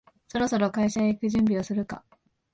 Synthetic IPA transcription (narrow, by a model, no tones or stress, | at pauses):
so̞ɾo̞so̞ɾo̞kaiɕaeikɯ̟ʑɨ̃mbʲio̞sɨɾɯ̟ka̰